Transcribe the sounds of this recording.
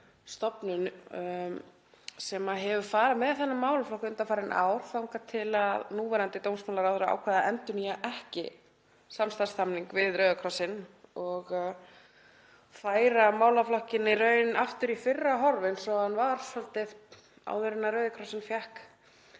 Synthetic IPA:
st̪ɔpnʏn | sɛmaɦɛvʏfaːɾamɛðθɛnːamaːwlaflɔhkʏnt̪afaːɾɪnʔa̰ːwɾ̥θawŋkat̪ʰɪlaðnuːvɛɾant̪ɪt̪owmsmawlaɾawðʏɾaa̰ːwkʰvɛːðaɛnt̪ʏnijaʔɛhcɪ̰ | samst̪astθamniŋkvɪðɾœːɥðkʰɾɔsɪnɔɣ | faːjɾamaːwlaflɔhcɪnːɪrœːɥnaft̪ʏɾifɪrːaɦɔɾvɪnsɔhanvaɾ̥sɔlt̪ɪð̥ | a̰wðʏɾɪnːaɾœɥðɪkʰɾɔsɪnfjahk

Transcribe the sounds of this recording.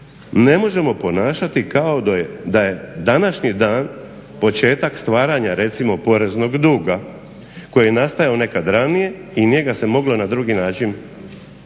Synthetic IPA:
ne̞mo̞ʒe̞mo̞po̞naːʃat̪ikao̞d̪ajed̪aje̞d̪anaʃɲid̪aːnpo̞t͡ʃe̞ːt̪akst̪ʋaːɾaɲaɾe̞t̪simo̞po̞ɾe̞zno̞ɡd̪uːɡa | ko̞jijenast̪ajaone̞kad̪ɾanije̞iɲe̞ɡase̞mo̞ɡlˠo̞nad̪ɾuːɡinaːt͡ʃin

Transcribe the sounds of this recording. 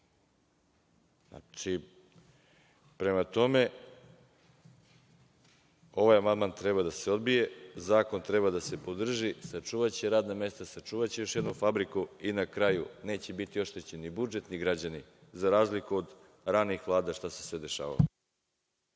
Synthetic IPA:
a̰t͡ʃi | pɾe̞mat̪o̞me̞ | o̞ʋajamand̪maːnt̪ɾeβad̪ase̞o̞d̪bije̞zaːko̞nt̪ɾe̞βad̪ase̞po̞d̪r̩ʒisat͡ʂuːʋat͡ɕeɾaːd̪name̞st̪asat͡ʂuːʋat͡ɕejo̞ʃjed̪nofabɾikuinakɾajune̞ːt͡ɕe̞bit̪io̞ʃt̪et͡ɕenːibud͡ʒe̞t̪niɡɾad͡ʑani | zaɾaːzlikuod̪ | ɾanixʋlˠaːd̪aʃt̪ase̥sʋed̪e̞ʃa̰ːʋa̰lo

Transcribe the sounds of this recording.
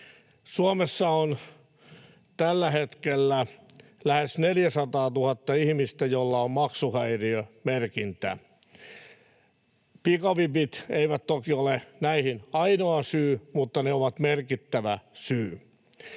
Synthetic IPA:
suomesːɑon | t̪ælːæhet̪kelːæ | læhesneljæsɑt̪ɑːt̪uhɑt̪ːɑihmist̪æjolːɑommɑksuhæiriømerkint̪æ̰ | pikɑʋipit̪eiʋæt̪t̪okiolenæihinɑinoɑsyːmut̪ːɑneoʋɑt̪merkit̪ːæʋæsyː

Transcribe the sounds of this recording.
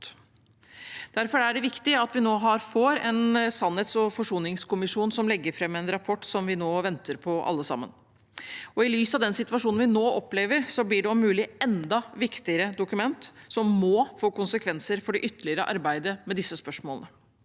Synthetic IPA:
d̪̥æɾfɔɾæɖɛʋɪkt̪ɪɑt̪ʋɪnoːɦɑɾfoːɾɛnsɑnheːt̪sɔfɔʂuːnɪŋskʊmɪʂuːnsɔmlɛɡːəɾfɾɛmːɛnɾɑpʰɔʈːsɔmʋɪnoːʋɛnt̪əɾpʰɔʔɑ̰lːəsɑ̰mːə̰n | ɔɪlyːsɑʋd̪ɛnsɪt̪ʋɑʂuːnn̩ʋɪnoːʔɔpleːʋəɾsɔblɪɖɛɔmʉːlɪɛnd̪ɑʋɪkt̪ɪəɾəd̪ʊkʉmɛnt̪sɔmmɔːfoːkʊnsəkʰʋɛnsəɾfɔɖɛʔʏt̪ːəɭɪəɾəʔɑɾbæɪd̪əmɛd̪ɪsːəspœʂmoːlnə

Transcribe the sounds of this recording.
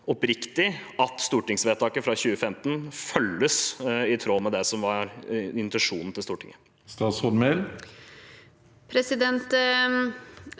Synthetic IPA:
ɔpɾɪkt̪ɪɑt̪st̪uːʈɪŋsʋeːt̪ʰɑːkəfɾɑçʉːəfɛmt̪nfœlːəsɪt̪ʰɾoːmɛd̪ɛsɔmʋɑɾɪnt̪ɛnʂuːnn̩t̪ɪlst̪uːʈʰɪ̰ŋə | st̪ɑːsɔnmel | pʰɾɛsɪd̪ɛnt̪

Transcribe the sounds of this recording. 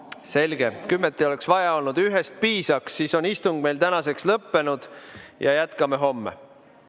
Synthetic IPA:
se̞lʲɡ̥e̞kymːet̪ːˑio̞le̞ksvɑjɑo̞lnud̪̥yɦest̪̚piːsɑksːiso̞nist̪uŋɡ̥̚me̞jlt̪ænɑse̞kslɤpːe̞nud̪̥jɑjæt̪kɑmeɦo̞mːḛ

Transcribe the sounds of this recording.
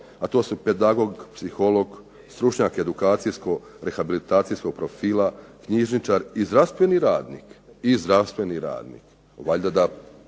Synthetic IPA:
at̪o̞ːsuped̪aɡoɡpsixo̞lo̞ɡ | st̪ɾut͡ʃɲaːke̞d̪ukaːt̪sijsko̞ | ɾe̞xabilit̪aːt̪sijsko̞ɡ̚pɾofiːlˠakɲiʒnit͡ʃaɾizd̪ɾast̪ʋe̞niɾaːd̪nḭːkizd̪ɾast̪ʋe̞niɾa̰ːd̪nḭk | ʋaʎʲd̪ad̪a

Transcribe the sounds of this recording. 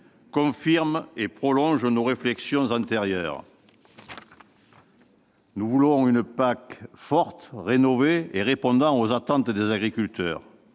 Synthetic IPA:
kɔ̃fiʁmepχɔlɔ̃ʒənoʁeflɛksjɔ̃zɑ̃t̪eʁjœ̰ʁ | nuvulɔ̃ynəpakfɔʁt̪ʁenɔveeʁepɔ̃d̪ɑ̃ozat̪ɑ̃t̪d̪ezaɡʁikylt̪œːʁ

